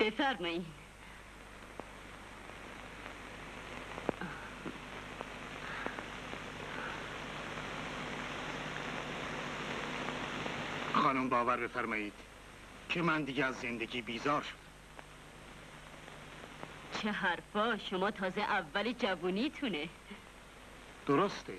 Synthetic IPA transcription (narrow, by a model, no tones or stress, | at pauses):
b̥efæɾmɒːiːnd̪ | xɒːnombɒːvæɾbe̞fæɾmɒːjiːd̪̥ | cʰemænd̪iːɟeæzːend̪eɟiːbiːzɒːɾʃo̥d̪̥æ | t͡ʃʰeɦæɾfɒːʃomɒːt̪ʰɒːzeʔævːæled͡ʒævuːniːt̪ʰune | d̪̥oɾost̪ʰe